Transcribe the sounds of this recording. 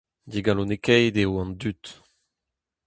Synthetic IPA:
d̪iɡalonekɛjd̪euɑ̃nd̪yt̪

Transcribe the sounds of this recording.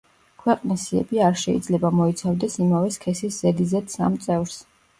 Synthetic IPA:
kʰwɛqʼnisiɛ̰biaɾʃɛḭd̪zlɛbamɔit̪sʰavd̪ɛsimavɛskʰɛsisz̥ɛd̪izɛt̪sa̰mt̪sʼɛvɾs

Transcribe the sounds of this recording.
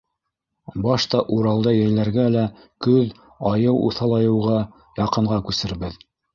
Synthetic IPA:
bɑʃt̪ɑʔuɾɑlˠd̪ɑjæjlæɾɡælæ | kɵð | ɑjɤwṵθɑlˠɑjɤ̆wʁɑ | jɑqɤ̆ɴʁɑkʉsɘ̆ɾβɘð

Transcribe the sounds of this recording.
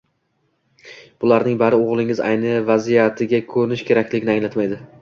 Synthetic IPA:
b̥ʊlaɾnɪŋbaɾɪoʁlˠɪŋɪza̰jnɪvazijat̪ʰɪɡʲakʰɵɾnɪʃkʲʰe̞ɾakʲlɪɡʲɪnɪaŋlat̪majd̪ɪ

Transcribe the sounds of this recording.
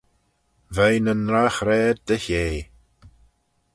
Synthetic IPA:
vɛjnənɾaxɾɛːd̪̚d̪əçeː

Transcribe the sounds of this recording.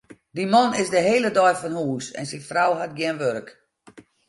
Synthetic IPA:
dimɔnɪzdəɦeːlədɔjfɔnhuːsɛ̰nsinfrawɦat̚ɡjɪnʋørk

